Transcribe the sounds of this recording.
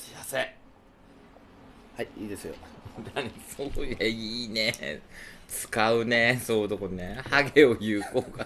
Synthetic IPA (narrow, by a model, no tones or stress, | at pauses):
ijase | haiiːd̪e̞sɨjo̰d̪aɲisojeiːnḛ | t͡sɨ̥kaɯ̟nesoːɯd̪okonehaɡeo̞jɯːkoːɡa